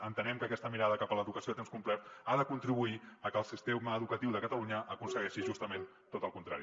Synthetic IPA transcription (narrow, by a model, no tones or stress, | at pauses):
ənt̪ənɛmkəkɛst̪əmiɾaðəkapələðukəsioət̪emskumplɛɾt̪aðəkunt̪ɾiβuiəkəlˠsist̪eməːðukət̪iwðəkət̪əluɲəʔːkunsəɣɛʃiʒust̪əmen | t̪ot̪əlˠkunt̪ɾa̰ɾi